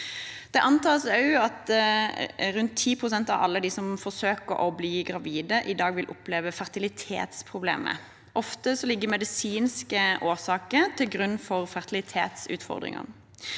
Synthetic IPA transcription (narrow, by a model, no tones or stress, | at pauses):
d̪̥ɛʔɑnt̪ʰɑːsɑʉɑt̪ | ɾʉnt̪ʰːiːpʰʁʊsɛnt̪ɑ̰ʋɑ̰lːəd̪isɔmfɔsøːkəɾʔɔbliːɡʁɑʋiːd̪əʔɪd̪ɑːɡʋɪlʔʊpleːʋəfæʁt̪ɪlɪt̪ʰḛːt̪spʰʁʊblḛːmə̰ | ʔɔft̪əsɔlɪɡːəmɛd̪ɪsiːnskəʔoːsɑːkəɾt̪ʰɪlɡʁʉnːfɔʁfæʁt̪ɪlɪt̪ʰḛːt̪sʉ̰ːt̪fɔ̰ʁd̪ʁɪ̰ŋə̰